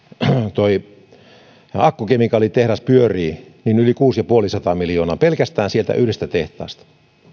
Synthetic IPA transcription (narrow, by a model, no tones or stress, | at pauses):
t̪oi | ɑkːukemikɑlit̪ehɾɑspyøriːninylikuːsjɑpuolisɑt̪ɑːmiljoːnɑ̰ːpelkæst̪æːnsielt̪æ̰ʔyhɾest̪æt̪eht̪ɑ̰ːst̪ɑ̥